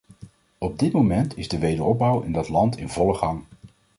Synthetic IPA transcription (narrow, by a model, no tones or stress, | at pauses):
ɔb̚dɪtmowmɛntʰɪzdəʋejdəɹɔb̚bʌwɪndɑtlɑntɪnvɔləχɑŋ